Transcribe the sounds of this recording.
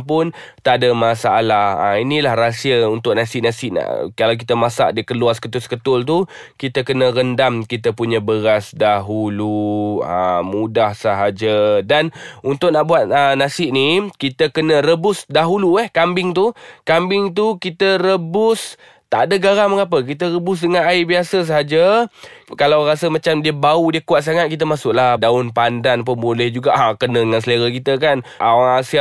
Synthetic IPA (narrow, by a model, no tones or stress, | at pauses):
pʊnt̪aʔdəmasaalahə̰inilahrasiəunt̪ʊʔnasɪʔnasɪʔna̰ʔkalawk̬it̪əmasa̰ʔdiəkəluaskət̪ʊskət̪ʊlt̪̬u | kit̪əkənəɾəndamkit̪̬əpuɲəbəɾasdaɦuluə̰mudahsəɦad͡ʒədanunt̪ʊʔ̚naʔbuat̪̚ənasɪʔnikit̪əkənə̃rəbʊsdaɦuluɛhkambɪŋt̪̬ukambɪŋt̪̬ukit̪əɾəbʊs | t̪adəɡaɾaməŋap̬ək̬it̪̬əɾəbʊs̬dəŋanaibiasəs̬əɦad͡ʒə | kalawɾasəmat͡ʃamdiəbaudiəkuat̪̚s̬aŋat̪̚kit̪əmasʊʔlahdaʊnpandanp̬əmbolɛhd͡ʒuɡaʔakənə̃dəŋansələɾakit̪ək̬anoaŋasia